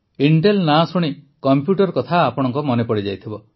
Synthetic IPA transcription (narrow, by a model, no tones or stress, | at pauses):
iɳʈelnasuɽ̃i | kɔmpjuʈɔɾkɔt̪ʰaːpɔɽ̃ɔŋkɔmɔnepɔɽid͡ʒajt̪ʰibɔ